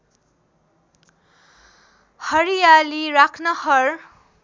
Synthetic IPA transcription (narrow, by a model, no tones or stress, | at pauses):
hʌɾijaliɾakʰnʌhʌr